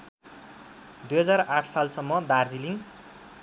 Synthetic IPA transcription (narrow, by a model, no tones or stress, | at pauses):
d̪ujɦʌd͡zaraʈʰsalsʌmːʌd̪ard͡ziliŋ